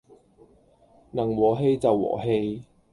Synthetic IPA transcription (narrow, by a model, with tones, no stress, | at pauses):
nɐ˨˩ŋwɔː˨˩ɦe˧jt͡sɐ˨wːɔ̰ː˨˩ɦe˧j